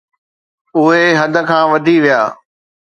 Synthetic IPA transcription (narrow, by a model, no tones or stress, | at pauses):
ʊɦeɦɐd̪ʱə̆kʰãːʋɐd̪ʱiʋijaː